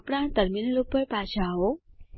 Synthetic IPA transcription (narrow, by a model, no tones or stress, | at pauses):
pɽãt̪əɾminlopəɾpat͡ʃʰaɦo